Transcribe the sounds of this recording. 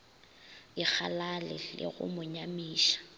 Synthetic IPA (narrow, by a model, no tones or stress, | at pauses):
ɪk͡xʰalalɪlɪ̰ɣʊ̰mʊɲamiːʃḁ